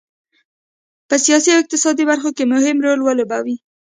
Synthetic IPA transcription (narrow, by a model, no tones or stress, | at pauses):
pəsijɑsiawɪq̚t̪ɪsɑd̪ibaɾxokemʊhɪmɾolwalobawi